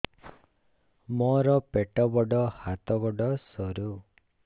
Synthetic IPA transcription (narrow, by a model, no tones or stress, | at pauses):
mɔɾɔpeʈɔbɔɖɔhat̪ɔɡɔɖɔsɔɾu